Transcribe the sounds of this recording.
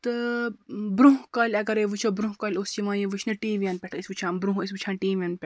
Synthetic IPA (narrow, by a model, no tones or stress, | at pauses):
t̪ɨ | bɾuɦkɐlʲɐɡɐɾeʋɨt͡ʃʰobɾũɦkɐlʲost͡ʃiʋãːjeʋɨt͡ʃʰnɨʈiːʋʲɐnpʲɛʈʰisʋut͡ʃʰãːnbɾuɦisʋut͡ʃʰãːnʈiːʋɐnpʲɛʈ